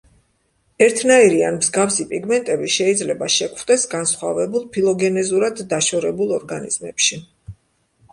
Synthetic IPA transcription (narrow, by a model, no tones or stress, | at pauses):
ɛɾt̪ʰnaiɾianmzɡafsipʼiɡmɛnt̪ʼɛbiʃɛid̪zlɛbaʃɛkʰχd̪ɛsɡansχwa̰vɛbulˠpʰilˠɔɡɛnɛzuɾad̪ːaʃɔɾɛbulˠɔɾɡanḭz̥mɛpʃi